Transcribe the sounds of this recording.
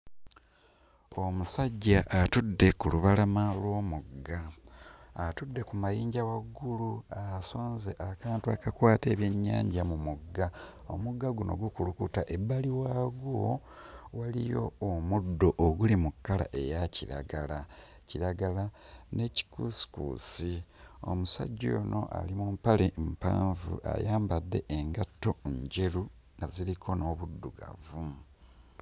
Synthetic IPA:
o̞musaɟːaʔatudːe̞kuluβalamalwo̞ːmuɡːaː | tudːe̞kumajiːɲɟawaɡːuluasoːnzeʔakaːntua̰kakwaːteːβjeɲːa̰ːɲɟamumuɡːa | o̰muɡːaɡuno̞̰ɡukulukutaʔe̞bːaliwaːɡo | walijo̞ːmudːo̞ʔoɡulimukːala̰ʔe̞jaciɾa̰ɡala | ciɾaɡala | ne̞ci̥kusi̥kṵːsio̞̰musa̰ɟːo̰no̰ʔa̰limumpalempa̰ːɱvṵʔa̰jaːmbadːe̞ʔeŋɡatːo̞ɲɟe̞ɾu | azilikʰo̞no̞βudːuɡa̰vu

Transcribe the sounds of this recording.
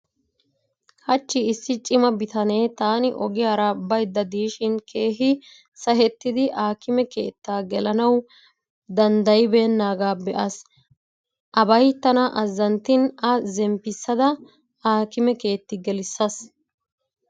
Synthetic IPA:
hɐt͡ʃːɪɪsːɪt͡ʃʼɪmɐbɪt̪ɐne̞ːt̪aːnɪʔɔɡɪjaːɾabɐjd̪ːɐd̪iːʃɪnkʰe̞ːɦɪ | sɐɦɛt̪ːɪd̪ɪʔaːkɪmɛke̞̰ːt̪ːaːɡɛlɐnɐw | d̪ɐnd̪ɐjɪbeːnːaːɡaːbɛʔɐs | ʔɐbɐjt̪ːɐnɐʔɐzːɐnt̪ːɪnɐzɛmpːɪsːɐd̪ɐ | aːkɪmɛke̞ːt̪ːɪɡɛlɪsːɐs

